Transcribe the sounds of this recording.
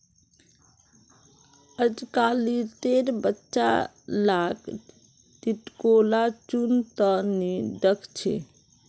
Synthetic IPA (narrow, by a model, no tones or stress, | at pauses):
əd͡ʒkalit̪eɾbətːʃa̰ | lakʰ | ʈiʈkolat͡ʃunt̪əniɖəkʰt͡ʃʰḛ